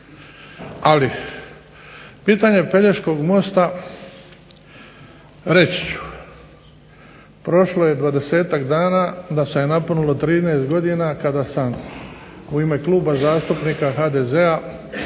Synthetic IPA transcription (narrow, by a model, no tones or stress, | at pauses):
ali | piːt̪aɲe̞pe̞ʎeʃko̞ɡmo̞st̪a | ɾe̞t͡ɕi̥t͡ɕu̥ | pɾo̞ʃloje̞d̪ʋad̪e̞se̞ːt̪akd̪aːnaːd̪asejenaponulo̞t̪ɾiːneːst̪ɡo̞d̪inakad̪asam | uime̞kluːbazaːst̪upniːkaxaːd̪eze̞a